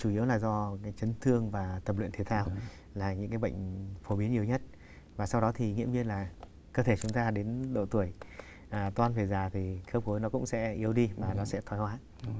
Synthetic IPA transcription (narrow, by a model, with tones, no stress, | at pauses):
t͡ɕu˧˩i˨˦əwlaː˨˩zɔ˧kaː˨˦jt͡ɕə˨˦nt̪ʰɨ˧əŋvaː˨˩t̪ə˨˩p̚lḭ˧˨nt̪ʰt̪ʰaː˧w | laː˨˩ɲɨ̰˧˥ŋkaː˨˦jɓə̰˧˨jŋ̟fo˨˦ɓi˨˦ənɲi˨˩əwɲə˦˥t̚ | vaː˨˩sa˧wɗɔ˨˦t̪ʰi˨˩ŋḭ˧˥əmɲi˧nlaː˨˩ | kəː˧t̪ʰe˧˩t͡ɕʊ˨˦ŋ͡mt̪aː˧ɗe˨˦nɗo̰˧˨t̪u˧˩əj | ʔt̪waː˧nve˨˩zaː˨˩t̪ʰi˨˩kəː˦˥p̚ko˨˦jnɔ˨˦kʊ̰˧˥ŋ͡msɛ̰˧˥ʔi˨˦əwɗi˧vaː˨˩nɔ˨˦sɛ̰˧˥t̪ʰɔ˨˦jhwaː˨˦